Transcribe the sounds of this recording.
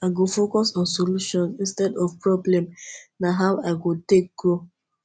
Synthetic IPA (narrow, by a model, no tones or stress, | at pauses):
aɪɡofokɔsɔ̃nsoluʃɔ̃nsĩnstɛdɔvpɹɔblɛ̃mnaɦaʊaɪɡotek̚ɡ̥ɹo